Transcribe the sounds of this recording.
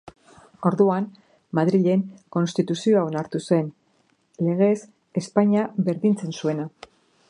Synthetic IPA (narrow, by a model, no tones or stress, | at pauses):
o̞ɾðuan | maðɾiʎe̞ŋko̞nst̪it̪usio̞aonaɾt̪use̞n | le̞ɣ̞e̞s | e̞spaɲaβe̞ɾðint͡se̞nsue̞na